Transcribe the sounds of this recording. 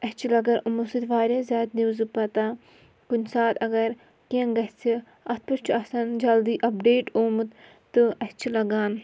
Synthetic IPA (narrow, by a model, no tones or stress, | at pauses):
ɐt͡ʃʰilɐɡɐɾumusɨt̪ʋaːɾʲaːzʲaːt̪nizɨpɐt̪aː | kunʲsaːt̪ɐɡɐɾ | kẽnɡɐt͡sʰi | ɐt̪̚pɐt͡ʃʰuɐsɐnd͡ʒɐld̪iːʔɐpɖeːʈoːmɨt̪ | t̪ːɨɐst͡ʃʰilɐɡaːn